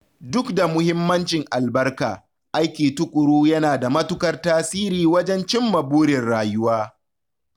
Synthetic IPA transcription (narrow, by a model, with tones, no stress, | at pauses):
dʊ˦kda˨mʊ˦hɪ˦mːɐ˦nt͡ʃɪ˨ŋʔa˨lbɐ˦rkaː˨ | ʔa˦jkʲeː˨tʊ˦kʷʼʊ˨ɽuː˦jɐ˦naː˨da˨mɐ˦tʊ˦kɐ˦rtaː˦siː˦ɾiː˨wɐ˦d͡ʒɛ˦nt͡ʃɪ˦mːɐ˨buː˦ɾɪ˨rɽaː˨jʊ˦waː˦